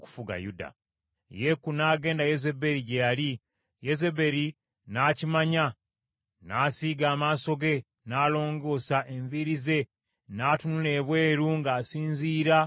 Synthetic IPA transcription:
ku̥fuɡa̰juda̰ | jekunaːɡe̞ːndajeze̞be̞ɾiɟejali | jezebe̞ɾi | naːcimaɲa | naːsiːɡaːmaːso̞ɡe̞ | naːlo̞ːŋɡo̞ːsaʔe̞ɱviɾize̞ | naːtunule̞ːβwe̞ːɾuŋɡaːsiːnziːɾa

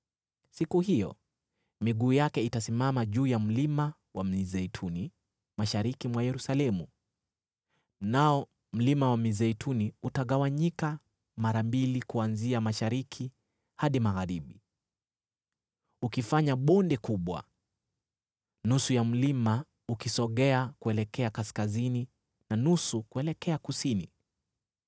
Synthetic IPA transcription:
sikuhijɔ̰ | miɠuːjakɛitasimamaʄuːjam̩lima | wam̩izɛitʰuni | maʃaɾikimwajɛɾusalɛmu | naɔ | m̩limawamizɛitʰuniutaɠawaɲika | maɾambilikuanziamaʃaɾikʰi | haɗimaɣaɾiɓi | ukifaɲaɓɔndɛkuɓwa̰ | nusujam̩lima | ukisɔɠɛakuɛlɛkɛakaskazini | nanusukuɛlɛkɛakusini

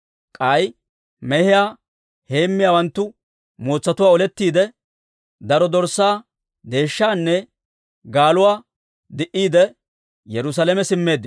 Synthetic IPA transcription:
kʼɐj | mɛhɪjaː | he̞ːmːɪjaːwɐnt̪ːʊ | moːt͡sːɐt̪ʊwaːɔlɛt̪ːiːd̪ɛ | d̪ɐɾɔd̪ɔɾsaː | d̪e̞ːʃːaːnːɛ | ɡaːlʊwaː | d̪ɪʔiːd̪ɛ | jɛɾʊs̬alɛmɛsɪmːe̞ːd̪ːɪ

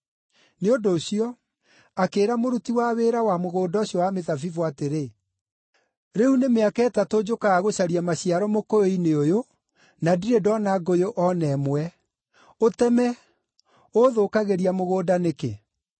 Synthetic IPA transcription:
neondoːɕiɔ | akeːɾamoɾutiwaβeɾawamoɣoːdaoɕjɔwameðavivwateɾe | ɾehunemeakɛːtatod͡ʒokaɣaɣoɕaɾiamaɕiaɾɔmokojoineojo | nadiɾedɔnaɡojoʔɔnɛmwɛ | otɛmɛ | oðokaɣeɾiamoɣoːdanekḛ

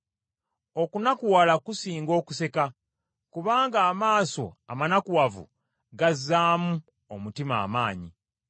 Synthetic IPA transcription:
o̞kunakuwalakusiːŋɡo̞ːku̥se̞ka | kuβaːŋɡaːmaːso̞amanakuwavṵ | ɡazːaːmu | omutima̰ːmaːɲi

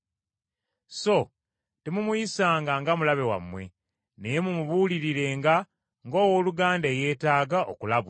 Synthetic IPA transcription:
so̞ | temumuisaːŋɡaŋɡamulaβe̞wa̰mːwe̞ | ne̞jemumuβuliɾiɾe̞ːŋɡa | ŋɡo̞ːwoːluɡaːndeːje̞ːtaːɡaʔo̞̰kulaβ

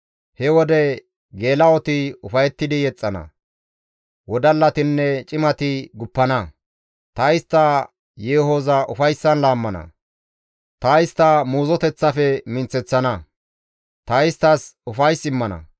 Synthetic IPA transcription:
hɛwɔd̪ɛ | ɡe̞ːlɐɔt̪ɪʊfɐjɛt̪ːɪd̪ɪjɛt͡sʼːɐnɐ̰ | wɔd̪ɐlːɐt̪ɪnːɛt͡ʃʼɪmɐt̪ɪɡʊpːɐnɐ | t̪ɐjɪst̪ːɐ | jeːɦoːzɐʔʊfɐjsːɐnlaːmːɐnɐ̰ | t̪ɐjɪst̪ːɐmuːzɔt̪ɛt͡sːɐfɛmɪnt͡sːɛt͡sːɐnɐ | t̪ɐɪst̪ːɐsʊfɐjsɪmːɐnɐ̰

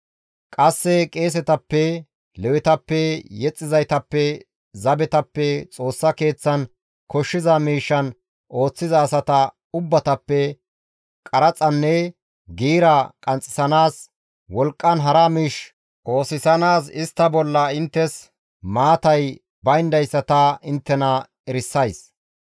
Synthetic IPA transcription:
kʼɐsːɛkʼe̞ːs̬ɛt̪ɐpːɛ | lɛwɪt̪ɐpːɛjɛt͡sʼːɪzɐjt̪ɐpːɛ | zɐbɛt̪ɐpːɛt͡sʼo̞ːsːɐke̞ːt͡sːɐn | kɔʃːɪzɐmiːʃːɐn | ʔo̞ːt͡sːɪzɐːsɐt̪ɐ | ʊbːɐt̪ɐpːɛ | kʼɐɾɐt͡sʼɐnːɛ | ɡiːɾɐkʼɐnt͡sʼːɪsɐnaːs | wɔlkʼːɐnɦɐɾɐmiːʃ | ʔo̞ːsɪsɐnaːsɪst̪ːɐbɔlːɐɪnt̪ːɛs | maːt̪ɐj | bɐjnd̪ɐjsːɐt̪ɐɪnt̪ːɛnɐ | ɛɾɪsːɐjs

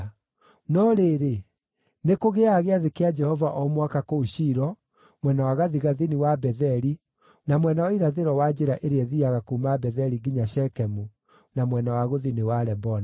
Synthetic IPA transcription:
nɔɾeɾe | nekoɣeaɣeaðekead͡ʒɛhɔvaʔɔmwakakooɕiɾɔ | mwɛnawaɣaðiɣaðiniwabɛðɛɾi | namwɛnawaiɾaðeɾɔwad͡ʒeɾaʔeɾeɛðiaɣakumabɛðɛɾiɡiɲaɕɛkɛmu | namwɛnawaɣoðinewaɾɛbɔna

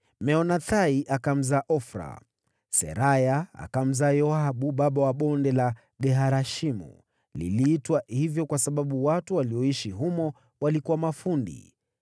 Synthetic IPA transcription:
mɛɔnataiʔakam̩zaːʔɔfɾa̰ | sɛ̰ɾajaa̰kam̩zaːjɔaɓuɓaɓawaɓɔndɛla | ɡɛɦaɾaʃimṵ | lḭliːtwahivjɔkwasaɓaɓuwatuwaliɔiʃiɦumɔ | walikuwamafundḭ

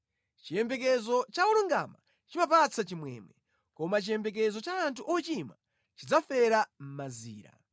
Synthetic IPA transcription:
t͡ʃiɛmbɛk̬ɛzɔt͡ʃauluŋɡa̰ma̰ | t͡ʃimapat͡sʰat͡ʃimwɛ̰ːmɛ | kɔmat͡ʃijɛmbɛk̬ɛzɔt͡ʃaːntʰuʔɔt͡ʃima | t͡ʃid͡zafɛɾam̩maziːɾa̰

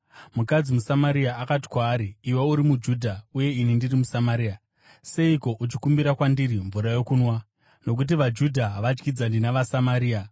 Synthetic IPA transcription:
mukad͡zimusamaɾiaakat̬i̥kwaːɾiːweuɾimud͡ʒudʱauje̞inindirimusamaɾiːa | se̞iko̞ʔut͡ʃikumbiɾakwandiɾiɱvuɾajo̞kunwa | no̞k̬ut̬iʋad͡ʒudʱaɦaʋad͡ʒɡid͡zandinaʋasamaɾiːa

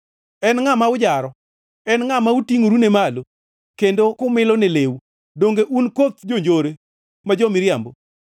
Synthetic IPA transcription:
ɛnŋamaʊd͡ʒaɾɔ | ɛnŋamautiŋoɾunemalo | kendokʊmɪlɔnelewu | doŋɡeʔunkot̪̚d͡ʒoɲd͡ʒoɾe | mad͡ʒomɪɾjambo

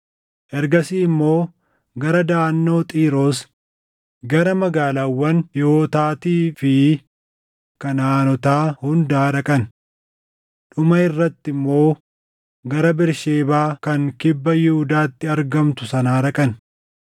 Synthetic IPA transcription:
ʔɛɾɡɐsiːɪmːo̞ː | ɡɐɾɐd̪aːnːo̞ːt̪ʼiːɾo̞ːs | ɡɐɾɐmɐɡaːlaːwːɐnjoːt̪aːt̪iːfɪ | kɐnaːnɔt̪aːhʊnd̪aːɾɐkʼɐn | ᶑʊmɐɪrːɐt̪ːɪmːo̞ː | ɡɐɾɐbɪɾʃeːbaːkɐŋkɪbːɐjɪhʊd̪aːt̪ːɪɐɾɡɐmt̪ʊsɐnaːɾɐkʼɐn

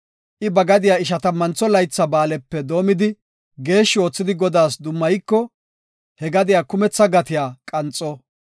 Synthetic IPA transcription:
ʔɪbɐɡɐd̪ɪjaːɪʃ̬ɐt̪ɐmɐnt͡sːɔlɐjt͡sːɐbaːlɛpːɛd̪o̞ːmɪd̪ɪ | ɡe̞ːʃːɪo̞ːt͡sːɪd̪ɪɡɔd̪aːsd̪ʊmːɐjkːɔ | hɛɡɐd̪ɪjaːkʊmɛt͡sːɐɡɐt̪ɪjaːkʼɐnt͡sʼːɔ

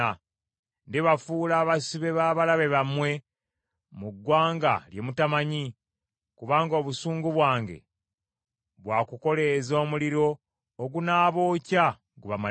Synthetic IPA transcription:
a | ndeβafuːlaːβasiβe̞βaːβalaβe̞βamwe̞ | muɡːwaːŋɡa̰lje̞mutamaɲi | kuβaːŋɡoːβusuːŋɡuβwaːŋɡe̞̰ | βwaːkuko̞lezo̞ːmuliɾo̞ː | ɡunaːβo̞ːca | ɡuβama

